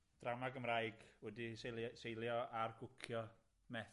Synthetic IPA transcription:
d̥ramaɡəmrajɡwɛdissejlˠjɔarɡʊkʰjɔ | mɛ

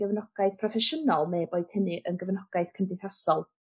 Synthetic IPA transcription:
ɡəvnɔɡ̥aɨθpʰrɔfɛʃənɔlˠmeːbojd̥hənɨʔənɡəvnɔɡ̥aɨθkʰəndɪθrasɔlˠ

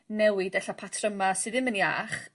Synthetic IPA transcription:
nɛwɪdɛɬapʰatʰrəmasɨðɪmənia̰ːχ

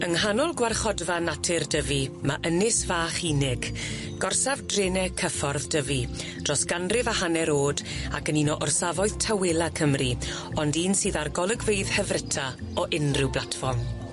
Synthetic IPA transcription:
əŋɦanɔlˠɡwarχɔdvanatʰɪrdəvimaʔənɪsvaːχiːnɪɡ̥ | ɡ̥ɔrsavdrɪːnɛkʰəfɔrðdəvi | d̥rɔsɡ̥anrɪvahanɛɾoːdakəninɔʔɔrsavɔɨðtʰawɪlˠakʰəmri | ɔndiːnsɨːðarɡɔlˠəɡveɨð̥hɛvrɪtʰa | ɔʔɪnrɪwblˠatfɔrm

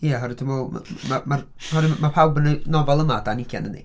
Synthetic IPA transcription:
jaɦɔɾədəmɔm̰mamar | hɔɾimapʰawbənənɔvɛlˠəmadanikʰja̰nənḭ

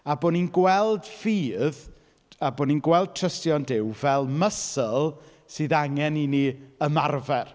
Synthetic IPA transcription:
aboːninɡwɛlˠdfiːð | aboːninɡwɛlˠd̥̚tʰrəstjɔndɪwvɛlˠməsəlˠ | sɨːðaŋɛniniəmarvɛr

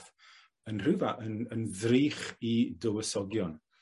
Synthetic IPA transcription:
ənr̥ɨvaʔənənðriːχidəwəsɔɡjɔn

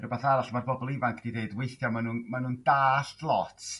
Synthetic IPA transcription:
rəbaθaɾaɬmarbɔbɔlˠɪvaŋkʰd̥ideɨdweɨθjɔmanunmanuːndaːɬtlˠɔtʰ

